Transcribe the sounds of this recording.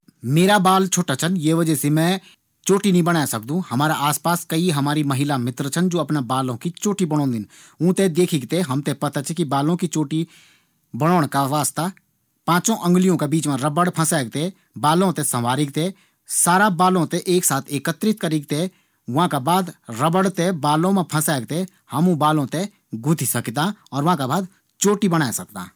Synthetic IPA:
meːɾabaːlt͡ʃʰoːʈat͡ʃʰənjeːʋəd͡ʒɛsemɛ̃ː | t͡ʃoːʈinəɦĩbəɽ̃aːesək̚d̪ũːhəmaːɾaʔaːspaːskəiɦəmaːɾiməɦɪlamɪt̪ɾt͡ʃʰənd͡ʒoːəpnabaːlõkit͡ʃoːʈibəɽ̃ɔ̃ːnd̪ɪn | ũːt̪ed̪eːkʰɪɡt̪eɦəmt̪epət̪at͡ʃikibaːlõkit͡ʃoːʈi | bəɽ̃oːɳ̃kaʋaːst̪a | pãːt͡ʃõʔə̃ŋɡlijõkabiːt͡ʃmẽɾəbəɽpʰə̃sɛːɡ̚t̪e | baːlõt̪ẽsə̃ʋaːɾɪk̚t̪e | saːɾabaːlõt̪eʔeːksaːt̪ʰeːkət̪ɾɪt̪̚kəɾɪɡ̚t̪e | ʋɐɦãkabaːd̪ɾəbəɽt̪ebaːlõmẽpʰə̃sɛːɡ̚t̪e | həmũbaːlõt̪e | ɡʊd̪ʱisəkd̪aːɔːɾʋɐɦãkabaːd̪ | t͡ʃoːʈibəɽ̃aːesəkt̪a̰ː

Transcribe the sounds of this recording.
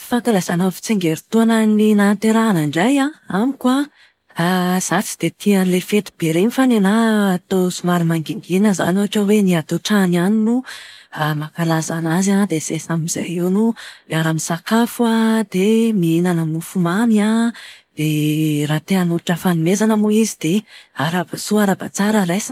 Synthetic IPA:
fak̪alazanafi̥t͡seŋɡeɾit̪uananinant̪eɾaːnaɳɖ͡ʐajaamikwa | zat͡si̥d̪̥et̪ʰianlefet̪i̥b̥eɾenifanenaːt̪osumaɾimaŋɡiŋɡinəza̰noaʈ͡ʂaweniat̪oʈ͡ʂananinuamakalazanazad̪esesamiz̥a̰jiwnuaɾamisakafwad̪̥emiinanəmufumaniad̪̥eɾat̪eanuɾuʈ͡ʂəfanimezanəmuizid̪̥eaɾabasuaɾabat͡saɾəlajs

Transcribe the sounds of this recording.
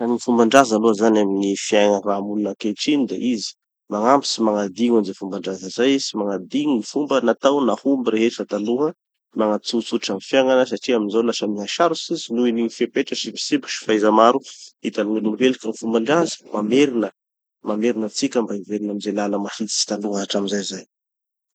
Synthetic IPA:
aniŋifumbaɳɖ͡ʐazaluəzanaminifiaŋaramulunəkeʈ͡ʂinid̪a̰ʔizi̥ | maŋambisimaŋad̪iŋanzefumbaɳɖ͡ʐazəzajsimaŋad̪iŋifumbənat̪awnahumbiɾeɦeʈ͡ʂət̪aluɦə | maŋat͡sut͡suʈ͡ʂanifjaŋanəs̬aʈ͡ʂiaminzawlasəmiɦaʃaɾusizinuiniɲifepeʈ͡ʂəsivi̥sibi̥ʃi̥fajzamaɾuit̪aniŋilumvelikənifumbaɳɖ͡ʐazə̥mameɾinə | mameɾinət͡sikʲəmbaiveɾinamizelanəmahit̪i̥si̥t̪aluɦaaʈ͡ʂamizajzaj

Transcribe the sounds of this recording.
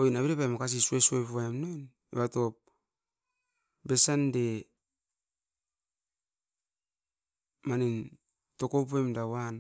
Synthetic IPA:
ojnaβeɾepajmakas̬isuesuepβaemnon | ḛβato̞p̚ | besande | manin | to̞kop̬emdawan

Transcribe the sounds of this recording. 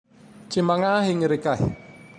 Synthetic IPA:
t͡ʃimaŋaɦiŋɾikah

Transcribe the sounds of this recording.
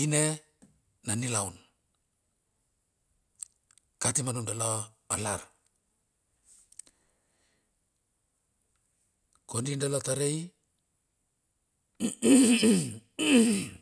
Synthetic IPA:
ine | nanilawn | katimanundalaalaɾ | kondindalataɾej

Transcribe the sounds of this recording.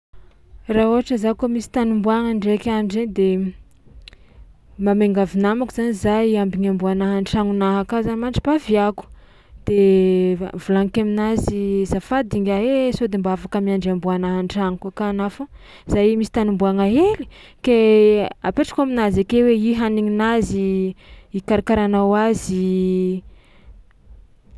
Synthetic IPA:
rauɦaʈ͡ʂəzakomisi̥t̪anumbuaŋaɳɖ͡ʐekʲaɳɖ͡ʐed̪e | mameŋɡavinamakuz̥anizajambiɲambuanaɦaɳʈ͡ʂaŋunaɦakazanimaɳʈ͡ʂibaviaku̥ | d̪̥e | vulaŋkaminazizafad̪iŋɡaesod̪embaavakəmiaɳɖ͡ʐambuanaɦaɳʈ͡ʂaŋukakanafa | zajmisi̥t̪anumbuaŋaeli̥ | kea̰peʈ͡ʂḁkaminazakeweiɦaniŋinazi | ikaɾakaɾanawazi

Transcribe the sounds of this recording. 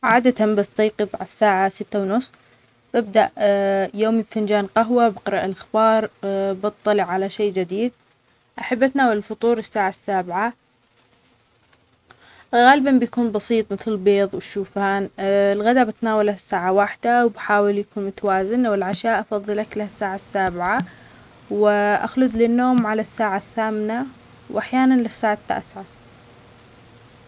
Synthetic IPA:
ʕaːd̪at̪ambast̪ɑjqɨbˤʕasːaːʕasɪt̪ːawnʊsˤː | b̥ɪb̚d̪aʔjoːmibfand͡ʒaːnqaɦwabɪqɾˤɑʔɪlʔaxbɑːɾˤbɨt̪ˤːɑlɪʕːalaʃeːd͡ʒɪd̪iːd̪̚ | ʔaħabːʔat̪naːwalɪlfʊt̪ˤuːɾɪsːaːʕasːaːbʕa | ɣaːlɪbanbɪjakuːnbɑsiːt̪ˤmɪθlɪlbeːðˤwʃuːfaːnɪlɣad̪abat̪naːwalahasːaːʕawaħd̪awbħaːwɪljakuːnmʊt̪awaːzɪnwɪlʕaʃaːʔɑfɑðˤːɨlaklahasːaːʕasːaːbɪʕa | wɪʔa̰xlʊd̪lɪnːoːmʕalasːaːʕaθːaːmɪna | wʔaħjaːnanlɪsːaːʕat̪ːa̰ːsʕa

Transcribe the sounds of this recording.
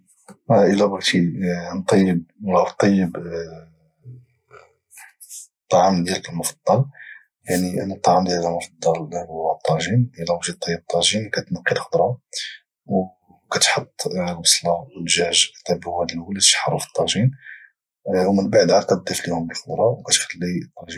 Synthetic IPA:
æʔəlːæbɣt̪int̪ˤːɑjːəb̚lɑt̪ˤːɑjːəb | t̪ˤːɑʕəmd̪jæləkəlmʊfɑ̥d̪̥ˤːɑl | jaʕninət̪ˤːɑʕamd̪jæləkəlmʊfɑd̪ˤːɑlwæt̪ˤːɑʒinælæwʒid̪̚t̪ˤːɑjːəb̚t̪ˤːɑʒinkæt̪nəqːilxəd̪ˤɾˤɑ | w | kæt̪ħot̪ˤːməsˤlɑəlʒæʒkt̪ːæbwæd̪lwəlit̪ʃħɑɾˤufə̥t̪ˤːɑʒin | wmənbaʕd̪ʕaqɑt̪d̪ːəflihʊmbəlxəd̪ˤɾˤɑwkæt̪xælːit̪ˤːɑʒin

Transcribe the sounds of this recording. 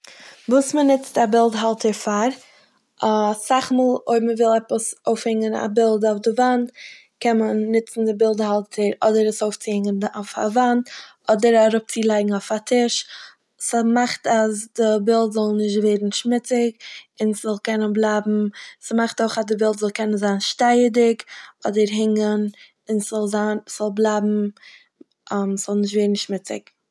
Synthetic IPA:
vuːsmənɪt͡stabɪlˠdɦalˠtəɾfaɾ | saχmuːlˠoɪməvɪlˠɛpəsoʊfhɛŋəna̰bɪlˠdaʊfdɪvant | kɛmənːɪt͡sn̩dɪbɪlˠdhalˠtʰəɾɔdəɾəsoʊft͡siɪŋənoʊfa̰vant | ɔdəɾaɾʊp̚t͡silˠaɪɡŋ̩aʊfatʰɪʃ | smaχtazdɪbɪlˠtzɔlˠnɪʃtveːɾn̩ʃmɪt͡sɪkɪnszɔlˠkɛnənblˠaːbm̩smaχtoʊχazdɪbɪlˠtzɔlˠkɛnənzaːnʃtaɪədɪkɔdəɾɦɪŋən | ɪnszɔlˠzaːnsz̥ɔlˠblˠaːbm̩ | ʔamsz̥ɔlˠnɪʃtveɪdn̩ʃmɪt͡sɪ̰k

